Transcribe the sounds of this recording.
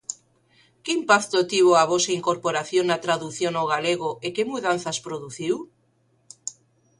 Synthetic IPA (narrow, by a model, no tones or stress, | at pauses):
keimpakt̪ot̪iβoaβosaiŋkoɾpoɾaθjonːat̪ɾaðuθjonawɣaleɣoekemuðanθaspɾoðuθiw